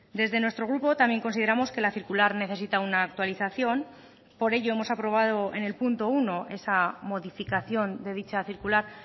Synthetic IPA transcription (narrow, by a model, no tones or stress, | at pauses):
d̪e̞zðe̞nwet̪ɾo̞ɣɾupo̞t̪amje̞ŋko̞nsið̞e̞ɾamo̞ske̞laθiɾkulaɾne̞θe̞s̬it̪aunaːk̚t̪waliθaθjo̞n | po̞ɾe̞ʝo̞e̞mo̞sapɾo̞β̞að̞o̞e̞̰ne̞lpunt̪o̞uno̞ʔe̞samo̞ðifikaθjo̞nd̪e̞ð̞it͡ʃaθiɾkulaɾ